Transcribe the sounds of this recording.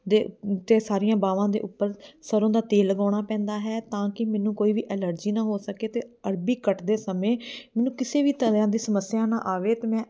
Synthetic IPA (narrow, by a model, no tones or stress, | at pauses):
d̪eːt̪eːsaːɾɪjãːbaːʋãːd̪ḛːʔʊpːəɾsəɾõːd̪aːt̪eːləɡaːɽ̃aːpɛ̃ːnd̪aːɦɛːt̪ãːkɪmɛːnũːkoːiːʋiːʔɛːləɾd͡ʒiːnaːɦoːsəkeːt̪eːəɾbiːkəʈd̪eːsəmẽːmɛːnũːkɪseːʋiːt̪əãːd̪iːsəməsːɪjãːnã̰ːʔaːʋeːt̪eːmɛ̃ː